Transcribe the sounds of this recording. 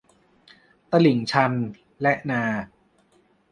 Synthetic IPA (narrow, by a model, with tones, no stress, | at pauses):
t̪a˧li˨˩˦ŋt͡ɕʰa˧n | lɛ˦˥ʔnaː˧